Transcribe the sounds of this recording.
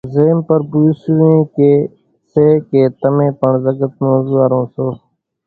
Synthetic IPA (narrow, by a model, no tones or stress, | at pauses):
zeːmpəɾbuːsʋẽːkeː | seːkeːt̪əmẽːpəɳzəɡət̪̚moːzuːaɾõːsoː